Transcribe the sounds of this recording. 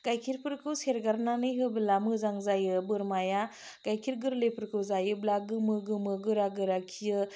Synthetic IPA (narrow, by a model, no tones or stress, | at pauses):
kajkʰiɾpʰɯɾkʰɯwseɾɡaɾnanɯjɦɯbɯlamɯzaŋzajɯbɯɾmaja | kajkʰiɾɡɯɾlepʰɯɾkʰɯwzajɯblaɡɯmɯɡɯmɯɡɯɾaɡɯɾakʰijɯ